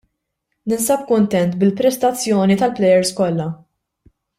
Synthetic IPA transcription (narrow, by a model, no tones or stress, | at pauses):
nɪnsɐp̚kʊnt̪ɛnt̪bɪlpɾɛst̪ɐt͡sːjɔːnit̪ɐlplɛjɛɾskɔlːɐ